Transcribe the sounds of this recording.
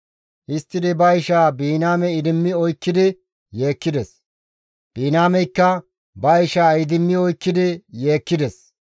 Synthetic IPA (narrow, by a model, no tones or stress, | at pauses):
ʔɪst̪ːɪd̪ɪbɐɪʃaːbiːnaːmɛɪd̪ɪmːɪɔjkːɪd̪ɪ | je̞ːkːɪd̪ɛs | b̥iːnaːmɛjkːɐ | bɐɪʃaːɐjd̪ɪmːɪɔjkːɪd̪ɪje̞ːkːɪd̪ɛs